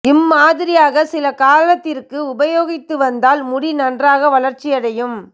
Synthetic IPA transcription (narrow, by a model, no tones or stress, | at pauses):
ɪmːaːðɪɾɪjaːɣɐsɪlɐkaːlɐt̪ːɪrkɯʊbɐjoːɣɪt̪ːɯʋɐnd̪aːlmʊɽinɐndraːɣɐʋɐlɐɾt͡ʃːɪjɐɽɐjɯm